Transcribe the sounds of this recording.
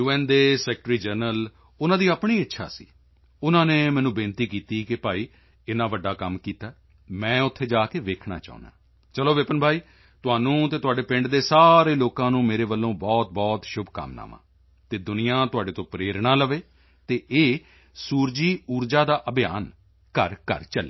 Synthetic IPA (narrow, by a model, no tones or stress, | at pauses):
juːɛ̃ːnd̪eːsɛːkʈɾiːd͡ʒəɾnəl | ʊnãːd̪iːaːpɳ̃iːɪtːʃʰa̰ːsḭː | ʊnãːneːmɛ̃ːnũːbɪ̃nt̪iːkiːt̪iːkɪpaːiː | ɪnãːʋəɖːaːkəmkiːt̪aː | mɛ̃ːʊt̪ʰːeːd͡ʒaːkeːʋeːkʰɳa̰ːt͡ʃa̰ːṵna̰ː | t͡ʃəloːʋɪpənbʱaːiː | t̪ʊɦaːnũːt̪eːt̪ʊaːɖeːpɪ̃ɳɖd̪eːsaːɾeːloːkãːnũːmeːɾeːʋəlːõːbɔːt̪̚bɔːt̪ʃʊbʱkə̰mna̰ːmã̰ː | t̪eːd̪ʊnɪjãːt̪ʊɦaːɖeːt̪õːpɾeːɾɳãːləʋeː | t̪eːʔeː | suːɾd͡ʒiːuːɾd͡ʒaːd̪aːʔəbɪja̰ːn | kəɾkə̰ɾt͡ʃəleː